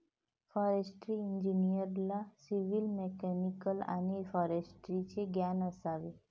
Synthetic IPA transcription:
fɔɾesʈɾiiɲd͡ʒinijəɾlasiʋilmekɛnikəla̰nefɔɾesʈɾit͡ʃʰeɡjanəsaʋe

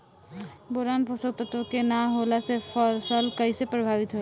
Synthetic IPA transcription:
boɾanposɔk̚t̪ɔt̪okenaɦolasefɔsɔlkajsepɾobʱabit̪ɔɦe

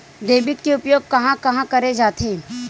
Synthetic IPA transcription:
d̪eːbɪkːeʊpjoːɡ̚kɐɦãkɐɦãkɐɾed͡ʒaːt̪ʰẽ

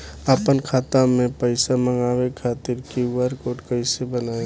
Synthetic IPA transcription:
əpənkʰaːt̪amẽpəɪsaməŋɡaːwekʰaːt̪ɪɾkiwəɾkoːʈkəɪsebənaːe

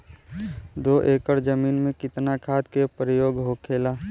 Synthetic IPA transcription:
d̪oʔeːkəɾd͡ʒəmiːnmẽkɪt̪nakʰaːd̪kepɾəjoːɡɦokʰeːlaː

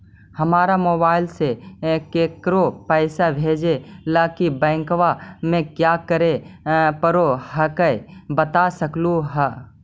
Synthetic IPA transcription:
hɐmaːɾamoːbaːɪlsekeːkɾopɛːɪsabʱeːd͡ʒelaːkibɛ̃ːŋkʋamẽkjaːkəɾepəɾohəkəbət̪asəkluɦɛ

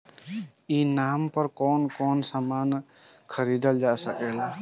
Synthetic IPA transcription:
inampəɾkɔnkɔnsaman | kʰəɾid̪əld͡ʒasəkɛl

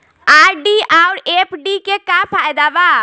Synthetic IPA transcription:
aɾɖiawɾepʰɖikekapʰajd̪aba

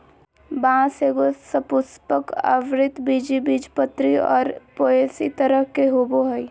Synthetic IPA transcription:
bãːseɡosəpʊspəkə̰ʋɾɪt̪bid͡ʒibid͡ʒpət̪ɾiɔ̰ːɾpoːesḭt̪əɾəkeɦoboɦəi

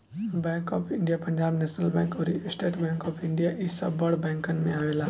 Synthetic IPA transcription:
bɛ̃ːŋkɔːpʰɪ̃ɳɖijapɐ̃ɲd͡ʒaːbnɛːʃnəlbɛ̃ːŋkɔːɾisʈeːʈbɛ̃ːŋkɔːpʰɪ̃ɳɖijaʔɪsːɐ̰bːɐɽbɛ̃ːŋkənmẽaːʋeːlaː

